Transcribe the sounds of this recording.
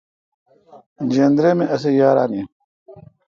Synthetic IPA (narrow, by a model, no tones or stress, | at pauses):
d͡ʑeːnd̪ɾemeʔɐs̬ejaːɾaːni